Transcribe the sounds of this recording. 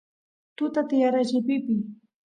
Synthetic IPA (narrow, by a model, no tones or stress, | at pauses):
t̪ʊt̪at̪ɪjaɾat͡ʃɪpɪpɪ